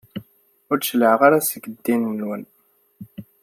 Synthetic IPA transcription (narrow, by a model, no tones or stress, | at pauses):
ʊɾʃələʕʁaɾasəɡəd̪ːinmənwæn